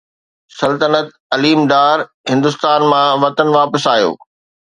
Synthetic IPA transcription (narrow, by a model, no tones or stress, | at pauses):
sɐlt̪ənət̪̚ | ɐliːmɖ̪aːɾ | ɦɪ̃nd̪ʊst̪aːnmãʋɐt̪ənʋaːpəsaːjo̰ː